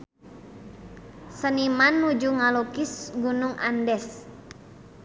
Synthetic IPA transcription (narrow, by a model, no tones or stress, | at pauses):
sənimanːud͡ʒuŋalokisɡunuŋʔa̰ndɛs